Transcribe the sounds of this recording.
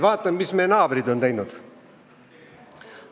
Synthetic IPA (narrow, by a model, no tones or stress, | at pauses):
ʋɑːt̪ːɑnmismejenɑːbəɾid̪onejnud̪̥